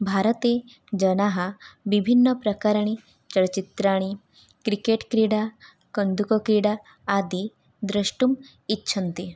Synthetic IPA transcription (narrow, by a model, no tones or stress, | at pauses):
bʱaːɾət̪e | d͡ʒɐnaɦəʋibʱinːəpɾɐkaɾəɳ̃i | t͡ʃəɽt͡ʃit̪ɾaːɽ̃i | kɾikeʈkɾiɽa | kənd̪ʱukɔkɾiɽaː | d̪i | d̪ɾɐʂʈum | itːʃʰɐnt̪i